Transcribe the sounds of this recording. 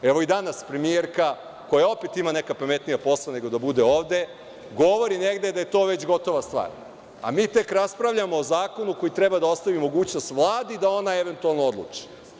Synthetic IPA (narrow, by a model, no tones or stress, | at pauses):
eʋo̞id̪anaspɾemieɾka | ko̞jao̞pet̪imane̞kapamet̪nijapo̞slˠane̞ɡo̞d̪abud̪eo̞ːʋd̪e̞ | ɡo̞ʋo̞ɾine̞ɡd̪e̞d̪aje̞t̪o̞ːʋe̞t͡ɕɡo̞t̪o̞ʋast̪ʋa̰ːɾ | a̰miːt̪e̞kɾaspɾaʋʎamo̞ːzaːkonuko̞jit̪ɾebad̪ao̞st̪aʋimo̞ɡuːt͡ɕno̞st̪ʋlˠaːd̪id̪ao̞naeʋe̞nt̪ualˠnoo̞d̪lˠṵt͡ʂi̥